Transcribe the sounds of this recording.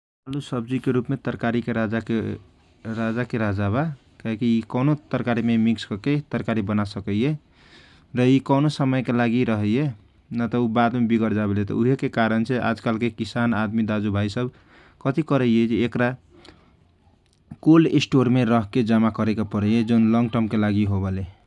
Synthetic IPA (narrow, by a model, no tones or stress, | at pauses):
alusəb̚d͡ʒikeɾupmet̪əɾkaɾikeɾad͡ʒake | ɾad͡ʒakeɾaɦd͡ʒaba | kaɦikiikɔnot̪əɾkaɾimemikskʌket̪əɾkaɾibənasəkəje | ɾəikɔnosəməjkelaɡiɾəɦəje | nat̪ɔubad̪mebiɡəɾd͡ʒabelet̪ɔ̰uɦekekaɾənt͡ʃʰeʔa̰d͡ʒkalkekisanad̪mid̪ad͡ʒubʱaisəb | kʌt̪ikʌɾəjed͡ʒiːkɾa | kolisʈoɾmeɾʌɦked͡ʒamakʌɾekapəɾəjed͡ʒonlɔŋɡʈəɾmkelaɡiɦobele